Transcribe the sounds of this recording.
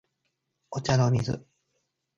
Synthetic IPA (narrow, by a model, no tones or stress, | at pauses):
ot͡ɕanomʲizɨ̰